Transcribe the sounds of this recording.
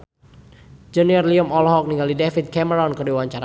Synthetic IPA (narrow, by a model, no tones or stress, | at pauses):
d͡ʒəniɔrliɔmɔlɔɦɔk̚niŋɡaldidɛfit̪̚kɛməɾɔnkərdiwaɲt͡ʃaɾa